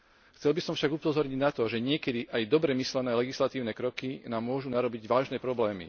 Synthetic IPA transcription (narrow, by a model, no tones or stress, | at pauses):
xt͡sɛlbisɔmfʃaɡupɔzɔɾɲiɟnat̪ɔʒɛɲɪɛkɛd̪iʔajd̪ɔbɾɛmislɛnɛːlɛɡislat̪iːʊnɛkɾɔkinaːmːʊɔʒunaɾɔbiɟʋaːʒnɛːpɾɔblɛːmḭ